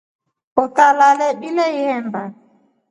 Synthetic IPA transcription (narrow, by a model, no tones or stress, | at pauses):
ɔtalalɛɓilɛihɛmba